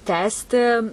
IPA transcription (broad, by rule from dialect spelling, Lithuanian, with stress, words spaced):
ˈtʲæːsʲtʲɪ